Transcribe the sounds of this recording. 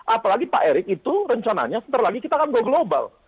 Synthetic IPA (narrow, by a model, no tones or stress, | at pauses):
ʔapawlaɡipa̰ʔeɾɪk̚it̪uɾəɲt͡ʃana̰ɲasənt̪əɾlaɡikit̪aːkanɡaɡloba̰l